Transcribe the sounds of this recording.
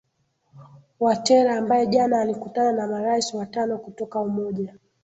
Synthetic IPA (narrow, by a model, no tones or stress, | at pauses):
watɛɾaːmbajɛʄanaːlikutananamaɾaisiwatanɔkutɔkaumɔʄa